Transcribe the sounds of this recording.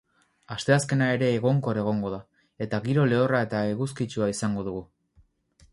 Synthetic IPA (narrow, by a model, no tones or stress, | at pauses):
ast̪e̞aske̞nae̞ɾe̞ːɣo̞ŋko̞ɾeɣ̞o̞ŋɡo̞ða | e̞t̪aɣiɾo̞le̞orae̞t̪aeɣuskit͡ʃuaisaŋɡo̞ð̞uɣ̞u